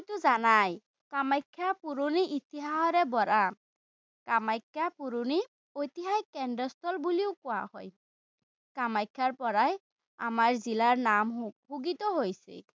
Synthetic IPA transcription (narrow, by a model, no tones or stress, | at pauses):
t̪uzanaj | kamajkʰːapuɾuniʔit̪iɦaɦɔɾɛbɔɾa | kamajkʰːapuɾuni | ojt̪iɦajkɛndɔst̪ʰɔlbuliʊkʊwa̰hɔ̰j | kamajkʰːaɹpɔɹaj | a̰maɹzilaɹnamhuɡit̪ɔɦojsḭ